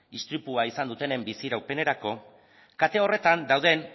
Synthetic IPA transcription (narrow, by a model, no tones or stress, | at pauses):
ist̪ɾipuaisand̪ut̪e̞ne̞mbisiɾawpe̞ne̞ɾako̞ | kat̪e̞o̞re̞t̪and̪awð̞e̞n